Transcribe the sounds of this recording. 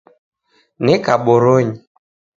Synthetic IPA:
nɛkaɓɔɾoɲi

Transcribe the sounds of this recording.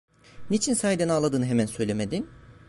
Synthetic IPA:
nit͡ʃʰinsaːjid̪ɛnaːlˠad̪ɯːnɯɦemænsø̞jlʲemed̪in

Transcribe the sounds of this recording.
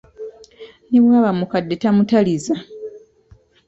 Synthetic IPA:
neβwaːβamukadːetamutaliza

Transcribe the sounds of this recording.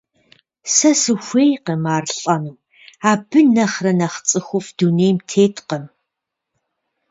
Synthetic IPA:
sɐsɨxʷeːjqemaːrɬʼɐnɨw | aːbɨnɐχrɐnɐχt͡sʼɨxʷʊfd̥uneːjmtʰeːtqɐm

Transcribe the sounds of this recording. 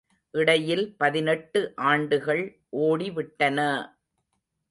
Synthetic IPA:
ʔɪɽɐjɪlpɐðɪnɛʈːɯʔaːɳɖɯɣɐɭ | ʔoːɽiʋɪʈːɐnɐ

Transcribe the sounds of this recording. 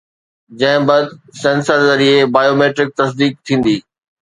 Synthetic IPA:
d͡ʑɐ̃ɦɪ̃bɐd̪sẽːnsəɾzɐɾiebaːjoːmeːʈɾɪk̚t̪ɐs̬d̪iːk̚t̪ʰĩːn̆d̪iː

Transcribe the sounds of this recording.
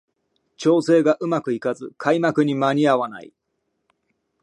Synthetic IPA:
t͡ɕo̞ːse̞ːɡaʔɯ̟makɯ̟ikazɨkʰaimakɯ̟ɲ̟imaɲ̟iaβana̰ḭ

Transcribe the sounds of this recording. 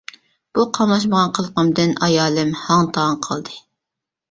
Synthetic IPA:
b̥uqʰɑmlˠɑʃ̬məʁɑnqʰəlˠqəmd̪ɨnɑjɑːlˠɨmhɑŋt̪ʰɑŋqʰɑlˠd̪ɨ

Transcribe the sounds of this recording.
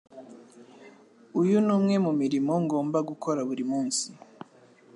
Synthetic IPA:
ujunuːmŋe̞mumiɾimo̞ŋɡo̞ːmbaɡukʰo̞ɾaβuɾimuːnsi

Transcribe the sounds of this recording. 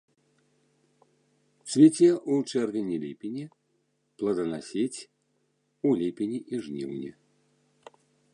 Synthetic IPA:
sʲvʲɛt͡sʲɛʔut͡ʂɛrvʲɛnʲilʲepʲinʲi | plˠɐd̪ɐnasʲet͡sʲ | ulʲepʲinʲiʔiʐnʲḭwnʲḭ

